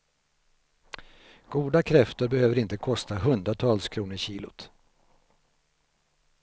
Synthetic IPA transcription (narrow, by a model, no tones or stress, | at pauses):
ɡ̥uːd̪akʰɾɛft̪əɾbɛhøːvəɾɪnt̪əkʰɔst̪aɦɵnd̪ɾat̪ʰɑːlskʰɾuːnəɾɕiːlʊ̰t̪